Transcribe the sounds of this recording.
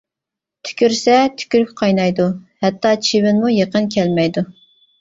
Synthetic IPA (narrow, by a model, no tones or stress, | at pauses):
t̪ʰy̥kʲyɾsɛt̪ʰy̥kʲyɾykʲqʰɑjnɑjd̪uhɛt̪ʰːɑt͡ʃʰiwɪnmujeqənkʲʰɛlmɛjd̪u